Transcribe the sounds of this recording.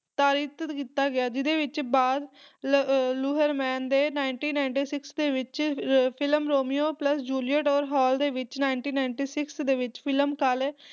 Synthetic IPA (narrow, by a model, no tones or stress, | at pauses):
t̪aːɾiːt̪kiːt̪aːɡɪjaːd͡ʒɪd̪eːʋɪt͡ʃbaːd̪ | luːɦəɾmɛːnd̪eːnaːɪɳʈiːnaːɪɳʈiːsɪksd̪eːʋɪt͡ʃpʰɪləmɾoːmioːpləsd͡ʒuːliəʈɔːɾɦɔːld̪eːʋɪt͡ʃnaːɪɳʈiːnaːɪɳʈiːsɪksd̪eːʋɪt͡ʃpʰɪləmkalɛː